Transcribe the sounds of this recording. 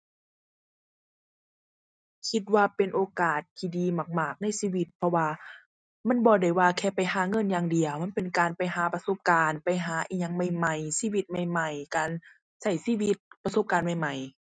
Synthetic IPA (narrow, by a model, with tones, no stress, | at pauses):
kʰi˧t̪̚waː˧pe˨nʔoː˨˧kaː˨˩t̪̚k̪ʰiː˧diː˨ma˧˩k̚maː˧˩k̚na˧˥˨jsiː˧˨wi˧˦t̪̚pʰɔ˧waː˧ | ma˧˥˨nbɔː˧˦da˧˩jwaː˧kʰɛː˧˩pa˨jhaː˨˦ŋɤ˧˥˨njaː˧ŋdi˨əwma˧˥˨pe˨nkaː˨npa˨jɦaː˨˦pa˧so˧˦p̚kaː˨˧npa˨jɦaː˨˦ʔiː˧˦ɲa˧˦ŋma˧˩jma˧˩jsiː˧˥˨wi˧˦t̪̚ma˧˩jma˧˩jkaː˨n | sa˧˩jsiː˧˨wi˧t̪̚pa˧so˧˦p̚kaː˨nma˧jma˨˩j